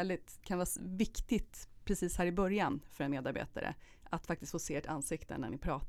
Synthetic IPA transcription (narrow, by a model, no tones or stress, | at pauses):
ɛld̪ɪt̪kʰanvɑːvɪkt̪ɪt̪pʰɾɛsiːshæːɾɪbœɾjanfœɾɛnmeːd̪aɾbḛːt̪a̰ɾʔə̰ | ʔat̪fak̚t̪ɪst̪foːseːʈʰa̰nsɪkt̪ə̰næ̰ɳɪpʰɾɑːt̪